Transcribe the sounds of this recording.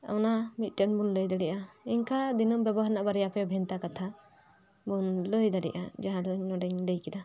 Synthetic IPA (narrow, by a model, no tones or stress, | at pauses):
a̰wnamit̪̚ˀʈɔnbunləjd̪aɽɛʔaiɲkad̪inɔmbjɛbɔɦaɾnaʔbaɾɛjapɛbʱɛnt̪akat̪ʰa | bunləjd̪aɽɛ̰ʔa̰d͡ʒaɦãd̪ɔɲnɔɖɛɲləjkɛd̪a